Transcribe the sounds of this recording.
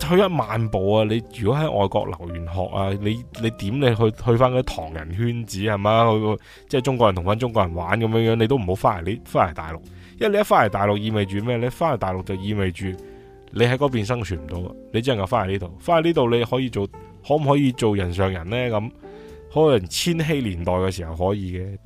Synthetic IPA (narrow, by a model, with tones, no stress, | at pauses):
hɵ˧jɐ˥t̚maː˨npo˨waː˧le˨˧jjyː˨kɔː˨˥ɦɐ˨˥jʔɔ̰ː˨jkɔ̰ː˧k̚lɐ̰˨˩wjyː˨˩nɦɔ̰ː˨k̚aː˧le˨˧jle˨˧jt̪iː˨˥mle˨˧ɦɵ˧hɵ˧ɥfaː˥nkɔː˧˦˥t̪ʰɔ̰ː˨˩ŋjɐ̰˨˩nhyː˥nt͡siː˨˥hɐ˨jmaː˨˧h | t͡sɛː˥˩t͡ʃʊ˥ŋkɔ˧˨jt̪ʰʊ˨˩ŋfaː˥nt͡ʃʊ˥ŋkɔː˧jɐ˨˩nwaː˨˥nkɐ˨˦mjœː˨˧˥ŋjœː˨˥ŋne˧t̪o˥wm̩˨˩o˨˧˥wfaː˥ɐ˨˩liː˥faː˥ɐ˨˩jt̪a̰ː˨jlʊ˨k̚ | jɐ˥˨le˧jɐ˥faː˥lɐ˨˩jt̪aː˨˩jlʊ˨k̚jiː˨˧me˨jt͡ʃyː˨˩mɛː˥le˨˧jfaː˥nɐ˨˩t̪aː˨jlʊ˨k̚t͡sɐ˨˩wjiː˨˧me˨jt͡ʃyː˨ | le˨˧jhɐ˨˥jkɔ˨˧˥piː˨ns̬ɐ˥ŋt͡ʃʰyː˨˩nm̩˨˩t̪o˨˧wɐ̰˧le˨˧jt͡sɛː˥˨ŋjɐ˨˧wfaː˥nɐ˨˩liː˥t̪o˨wfaː˥nɐ˨˩liː˥t̪o˨wle˨˧jhɔː˨˥jiː˧t͡so˨w | hɔː˨˥m̩˨˩hɔː˨˥jiː˧t͡so˨wjɐ˨˩ns̬œː˨ŋjɐ˨˩nlɛː˥kɐ˨˧˥m | hɔ˨˥˧jɐ˨˩nt͡sʰiː˥nɦe˧˥jliː˨˩nt̪ɔː˨jkɛː˧siː˨˩hɐ˨whɔː˨˥jiː˨˧kɛː˧